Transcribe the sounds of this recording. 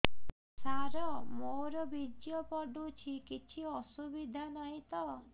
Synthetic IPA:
saɾɔmoɾɔbid͡ʒjɔpɔɖut͡ʃʰikit͡ʃʰiɔsubid̪ʱanaĩt̪ɔ

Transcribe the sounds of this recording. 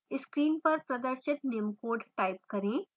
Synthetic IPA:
ɪskɾiːnpɐɾpɾɐd̪əɾʃɪt̪neːmkoːɾɖʈaːɪp̚kɐɾẽː

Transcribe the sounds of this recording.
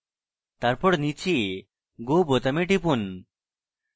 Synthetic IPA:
t̪aɾpɔɽnit͡ɕʰi | ɡobot̪ameʈipun

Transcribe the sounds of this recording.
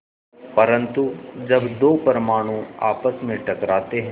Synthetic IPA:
pɐɾə̃nt̪ud͡ʒɐbd̪oːpəɾmaːɽ̃ũa̰ːpəsmẽʈɐkɾaːt̪eɦ

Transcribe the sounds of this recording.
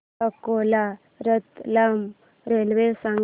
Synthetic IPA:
əkola | ɾət̪lam | ɾelʋesaŋ

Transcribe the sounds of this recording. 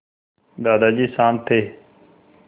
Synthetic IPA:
d̪aːd̪aːd͡ʒiːsaːnt̪ʰeː

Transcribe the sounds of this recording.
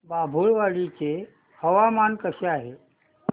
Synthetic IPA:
babʱuɭʋaɭit͡se | həʋamankəseaɦe

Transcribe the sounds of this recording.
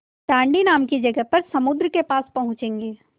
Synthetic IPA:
ʈãːɳɖinaːmkid͡ʒɐɡəɦpɐɾsɐmʊd̪ɾəkepaːspɐɦʊ̃t͡ʃẽːŋɡeː

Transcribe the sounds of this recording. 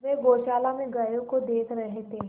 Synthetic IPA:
ʋeːɡoːʃaːlamẽɡɐjõkod̪eːk̪ʰɾɐɦt̪eɦ

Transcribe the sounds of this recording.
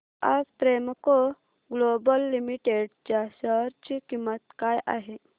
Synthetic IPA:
ad͡zpɾemko | ɡlobəlːimiʈeɖt͡ɕaɕəɾt͡ɕikimːət̪kajʔa̰ɦe

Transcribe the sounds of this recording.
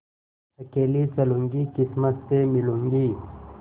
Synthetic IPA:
ɐkeːlit͡sɐluŋɡikismɐt̪t̪emilũŋɡiː

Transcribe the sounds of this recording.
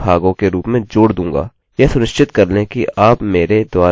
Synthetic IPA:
bʱaːɡõkeɾuːpmẽd͡ʒoːɽd̪ũːŋɡa̰ː | jɛsʊnɪʃt͡ʃɪt̪kɐɾlẽkiaːpmeːɾed̪waː

